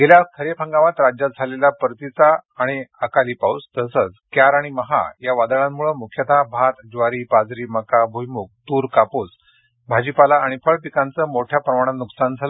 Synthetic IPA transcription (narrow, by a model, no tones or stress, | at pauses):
ɡeljakʰəɾepʰə̃ŋɡaʋat̪ɾad͡ʑat̪̚d͡zʱaleljapəɾt̪it͡saːɽ̃iəkaliːpaust̪əsət͡skjaɾaɽ̃iməɦa̰jaʋad̪əɭãmmːuɭəmukʰjət̪abʱat̪d͡ʑʋaɾipad͡zɾiːməkabʱujmuk̚t̪uːɾkaput͡s | bʱad͡ʑipalaːɽ̃ifəɭpikãnt͡səmoʈʰjapɾəmaɽ̃anuksand͡zʱalə